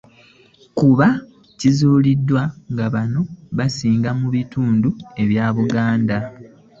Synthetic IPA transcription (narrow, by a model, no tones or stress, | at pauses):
kuβa | cizuːlidːwaŋɡaβano̞βasiːŋɡamuβituːndue̞βjaːβuɡaːnda